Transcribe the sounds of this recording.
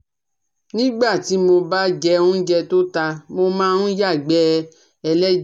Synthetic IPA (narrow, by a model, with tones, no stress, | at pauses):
nĩ˦ɡ͡ba˦˨ti˨˦mo˧ba˦d͡ʒɛ˧ũ˦n̩˦d͡ʒɛ˧to˦ta˧mo˧mãː˦ũ˦ja˦˨ɡ͡bɛ˦˧ | ɛ˧lɛ˦